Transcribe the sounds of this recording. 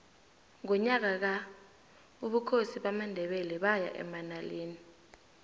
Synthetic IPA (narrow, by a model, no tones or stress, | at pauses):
ŋɔɲak̬ak̬a | uɓukʰosiɓamandʱɛɓɛlɛɓaja̰ʔɛ̰manaleːni